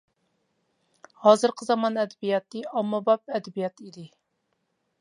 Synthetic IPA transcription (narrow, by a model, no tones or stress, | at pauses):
hɑːzɨɾqʰəzɑmɑnɛd̪ɛbijɑt̪ːɨɑmːɑbɑp̚ɛd̪ɛbijɑt̪id̪ɪ